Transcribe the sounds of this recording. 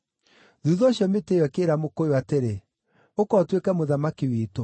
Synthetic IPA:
ðuðɔɕjɔmeteːwɛkeːɾamokojoateɾe | okɔtwekɛmoðamakiwiːto

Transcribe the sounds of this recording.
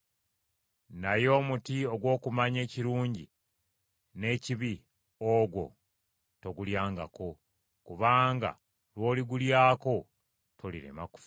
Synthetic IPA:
najo̞ːmutio̞ɡwo̞ːkumaɲe̞ːciɾuːɲɟi | ne̞ciβi | oɡwo̞ | to̞ɡuljaːŋɡa̰ko̞ | kuβaːŋɡa̰ | lwo̞ːliɡuljaːko̞ | tʰolḭɾe̞̰ma̰ku̥f

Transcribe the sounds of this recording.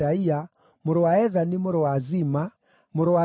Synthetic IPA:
aia | mʊɾowaɛðanimʊɾowazima | moɾowa

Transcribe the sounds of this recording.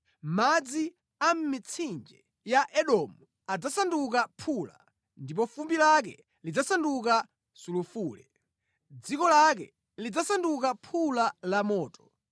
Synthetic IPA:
mad͡zi | am̩mit͡sʰind͡ʒɛ | jaʔɛɗɔmu | ad͡zasanduk̬apʰula̰ | ndipɔfumbilak̬ɛ̰ | lid͡zasanduk̬a | sulufuːlɛ̰ | d͡zikɔlakɛ̰ | lid͡zasandukapʰulalamɔːtɔ̥

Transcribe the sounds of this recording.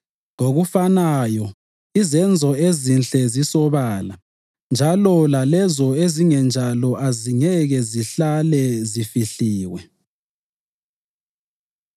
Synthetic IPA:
ŋoɣufanajɔ | izɛnd͡zʱɔezinɬɛzisɔβaːla | nd͡ʒʱalɔlalɛzɔeziŋɛnd͡ʒʱalɔʔaziŋɛɣɛziɬalɛzifiɬiːwɛ̰

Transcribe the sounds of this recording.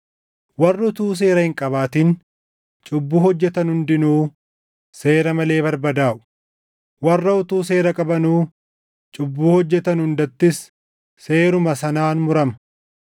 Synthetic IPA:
wɐrːɐʊt̪uːs̬e̞ːɾɐhɪŋkʼɐβaːt̪ɪn | t͡ʃʼʊbːuːhɔd͡ʒːɛt̪ɐnhʊnd̪ɪnuː | se̞ːɾɐmɐle̞ːbɐɾbɐd̪aːʔʊ̥ | wɐrːɐʊt̪uːs̬e̞ːɾɐkʼɐbɐnuː | t͡ʃʼʊbːuːhɔd͡ʒːɛt̪ɐnhʊnd̪ɐt̪ːɪs | se̞ːɾʊmɐsɐnaːnmʊɾɐmɐ̥

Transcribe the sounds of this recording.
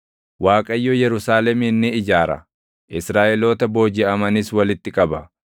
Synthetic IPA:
waːkʼɐjːojɛɾʊsaːlɛmɪnːɪɪd͡ʒaːɾɐ̰ | ʔɪsɾaːʔɛlo̞ːt̪ɐbo̞ːd͡ʒɪɐmɐnɪswɐlɪt̪ːɪkʼɐbɐ

